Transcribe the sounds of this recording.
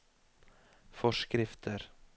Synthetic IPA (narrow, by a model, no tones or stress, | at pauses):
fɔʃkɾɪft̪ʰəɾ